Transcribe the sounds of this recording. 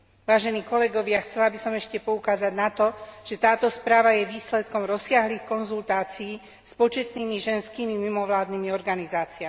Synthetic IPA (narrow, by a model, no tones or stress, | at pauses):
ʋaːʒɛniːkɔlɛɡɔʋɪaxt͡sɛlabisɔmɛʃcɛpɔukaːzaɟnat̪ɔʒ̥ɛt̪aːt̪ɔspɾaːʋajɛʋiːslɛt̪kɔmɾɔsɪaɦliːxkɔnzult̪aːt͡siː | spɔt͡ʃɛt̪niːmiʒɛnskiːmimimɔʋlaːd̪niːmiɔɾɡanizaːt͡siami